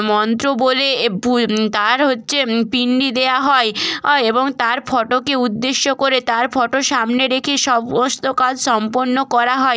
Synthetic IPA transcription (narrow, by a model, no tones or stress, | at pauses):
mɔnt̪ɾoboleput̪aɾɦotːɕʰepiɳɖid̪eaɦɔeeboŋt̪aɾfʰɔʈokeud̪ːeʃːokoɾet̪aɾfʰɔʈoʃamneɾekʰeʃɔbmɔst̪okad͡ʑʃɔmpoɾnːokɔɾaɦɔe